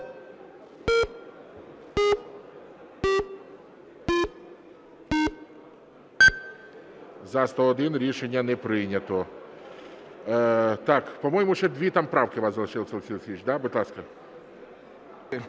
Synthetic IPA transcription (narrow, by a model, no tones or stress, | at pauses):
zɐst̪ɔɔd̪ɪnɾʲiʂɛnʲːjɐnɛpɾɪnʲɐt̪ɔ | t̪akpɐmɔjɪmʊʂɛd̪ʲʋʲit̪ampɾawkɪʋaszɐlˠɐʂɪlˠsʲɐlˠsʲilˠsʲit͡ʃʲd̪abʊt̪lˠaskɐ